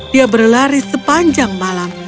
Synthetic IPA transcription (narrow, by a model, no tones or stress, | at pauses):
diabərlaɾisəpaɲd͡ʒaŋmalam